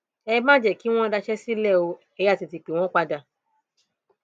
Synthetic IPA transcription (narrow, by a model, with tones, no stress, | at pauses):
ɛ˧mã˦d͡ʒɛ˦˨ki˦w̃ɔ̃˦da˧ʃɛ˦si˦lɛ˦˨o˧ | ɛ˧˨˦a˦˨ti˧ti˧˨k͡pe˨w̃ɔ̃˦k͡pa˧da˧˨